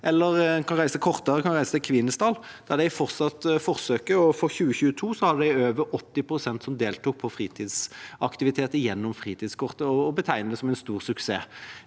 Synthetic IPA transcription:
ʔɛlːəɾkʰɑnɾæɪsəɛkʰɔʁt̪əʁəkʰɑnʁæɪsə̥t̪ɪkʰʋɪnːəst̪ɑːl | d̪̥ɑʁd̪æɪfɔʁt̪sɑt̪fɔɾsøːkəɔfɔɾçʉːəçʉːət̪ʰuːsɔhɑd̪əd̪æɪøːʋəɾɔt̪ːɪpʰɾʊsɛnt̪sɔmd̪eːlt̪uːk̚pʰɔfɾiːt̪ʰiːd̪sɑkt̪ɪʋɪt̪ʰeːt̪əjɛnːɔmfʁiːt̪ʰiːd̪skʰʊʁt̪əɔːbət̪ʰæɪnəd̪ɛsɔmɛɪnst̪uːʁsʉksḛː

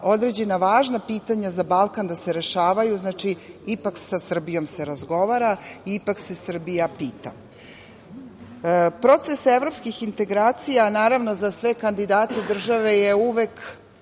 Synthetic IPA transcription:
o̞d̪ɾe̞d͡ʑe̞naʋaːʒnapiːt̪aɲazabalˠkand̪aseɾe̞ʃaːʋajuznaːt͡ʃiipaksasr̩bijo̞mseɾazɡo̞ʋaɾaiipakse̞sr̩bijapiːt̪a̰ | pɾo̞t̪se̞seʋɾo̞pskixint̪e̞ɡɾaːt̪sijanaːɾavno̞zasʋe̞kand̪id̪aːt̪ed̪r̩ʒaʋe̞jeuʋek

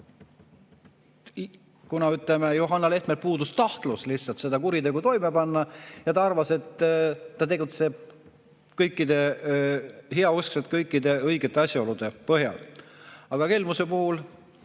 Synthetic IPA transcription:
kunɑyt̪ˑlemejuɦɑnːɑle̞ht̪melpuːd̪ust̪ɑht̪luslihsɑlt̪se̞d̪ɑkuɾit̪e̞ɡut̪o̞jmepɑnːɑjɑt̪ɑɑrvɑse̞t̪ːɑt̪e̞ɡ̥ut̪se̞b̥̚ | kɤjkːˑid̪̥e̞ | ɦeɑuskset̪̚kɤjkˑːid̪e̞ɤjɡet̪ːˑeɑsʲjɑo̞lud̪̥e̞pɤɦjɑ̰l | ɑɡ̥ɑkelmuse̞puhul

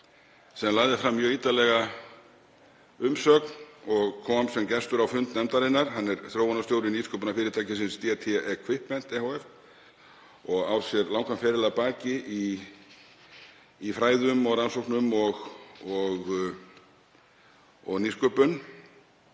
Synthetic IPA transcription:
sɛmlaːɣðɪfɾamːjœːiːt̪alɛɣa | ʏmsœːknɔɣkʰɔmsɛmcɛst̪ʏɾawfʏnt̪nɛmt̪aɾɪnːaɾ̥ɦanːɛɾθɾjowɔnast̪jowɾɪniːskœpʏnafɪːɾɪt̪ʰaːjcɪsɪnst̪iɛt̪ʰɛɛʔɛkʰvɪhpːɛn̥t̪ɛhowɛf | ɔɣaːwsjɛɾlawŋkamfɛːɾɪlapaːcɪʔi | fɾaːjðʏmɔɣɾansowhknʏmɔɣɔɣ | ɔɣniskœpʏn

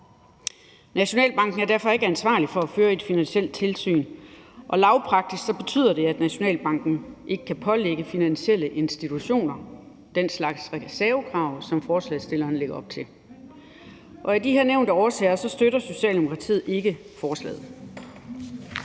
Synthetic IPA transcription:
næɕo̝nɛ̰ːlb̥ɑ̈ŋ̰ɡ̥n̩æɐd̥æɐfɒ̽e̝ɡ̥əænsʋɑ̰̈ːlifɒ̽æføːɐe̝d̥finænɕel̰d̥̚t͡sʰe̝lsy̰ːnʔɒ̽lɑ̈ʊpʰʁɑ̈ɡ̥̚d̥isɡ̥d̥sɒ̽b̥e̝t͡sʰy̰ð̰ˠɐd̥e̝æd̥næɕo̝nɛ̰ːlb̥ɑ̈ŋ̰ɡ̥n̩ʔe̝ɡ̥əkʰæpʰɒ̽leɡ̥əfinænɕiel̰əʔe̝nsd̥it͡sʰuɕo̝̰ːnɐ | d̥enslɑ̈ɡ̥sʁɛsæɐʊkʰʁɑ̈ʊ̰sɒ̽mfɒːslɛ̰sd̥e̝lɐːnle̝ɡ̥ɐɒ̽b̥̚t͡sʰe̝l | ʔɒ̽æd̥iɦeɐneʊnd̥əɒːsɛːɐsɒ̽sd̥øɾɐso̝ɕɛ̰ːld̥emokʰʁɑ̈t͡sʰḭð̩ˠe̝ɡ̥əfɒːslɛ̰ːð̩ˠ

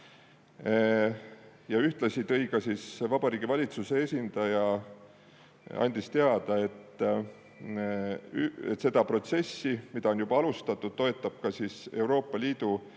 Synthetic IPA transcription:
jɑyht̪lɑsit̪ɤ̞jɡɑsisvɑb̥ɑɾiːɡivɑlʲit̪suse̞esʲind̪̥ɑjɑ | ɑ̰nʲd̪̥ist̪e̞ɑd̪̥ɑe̞t̪ːˑ | et̪se̞d̪̥ɑpro̞t̪se̞sːimid̪̥ɑo̞njub̥ɑɑlust̪ɑt̪ːˑud̪̥̚t̪ːo̞e̞t̪ːˑɑb̥̚kɑsiːse̞uwɾo̞ːpˑːɑlʲiːd̪̥u

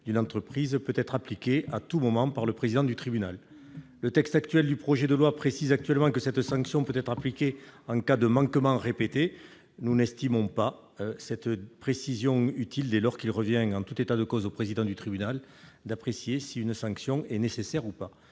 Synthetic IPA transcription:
d̪ynɑ̃t̪χəpχizpøt̪ɛt̪χaplikʲeat̪umɔmɑ̃paʁləpχezid̪ɑ̃d̪yt̪χibynalː | ət̪ɛkst̪akt̪ɥɛld̪ypχɔʒed̪əlwapχesizak̚t̪yɥɛlmɑ̃kəsɛt̪sɑ̃ŋksjɔ̃pøt̪ɛt̪χaplikʲeɑ̃ŋkad̪əmɑ̃kmɑ̃ʁepet̪e | nunɛst̪imɔ̃pa | sɛt̪pχesizjɔ̃yt̪ild̪elɔʁkilʁəvjɛ̃ɑ̃t̪ut̪et̪ad̪əkɔzopχezid̪ɑ̃d̪yt̪χibynal | d̪apχesjesiynsɑ̃ŋksjɔ̃ɛnesesɛʁupa

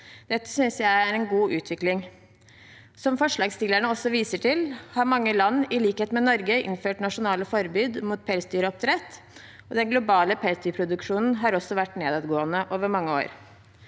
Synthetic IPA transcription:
d̪̥ɛt̪ːə̥sʏnsjæɪææɾɛnɡuːʔʉːt̪ʰʋɪklɪŋ | sɔmfɔʂɭɑːɡst̪ɪlːæɳəɔsːɔʋiːsəʈʰɪlhɑɾmɑŋːəlɑnːɪliːkheːt̪mɛnɔɾɡəʔɪ̰nføːʈnɑʂʊnɑːləfɔɾbyːd̪muːt̪̚pʰɛlsd̪yːɾəɔp̚t̪ʰɾɛt̪ː | ɔd̪ɛnɡlʊbɑːləpʰɛlsd̪yːɾpʰɾʊd̪ʉkʂuːnn̩ɦɑɾɔsɔʋæʈːneːd̪ɑd̪ɡoːənəʔoːʋəɾmɑŋːəo̰ːɾ

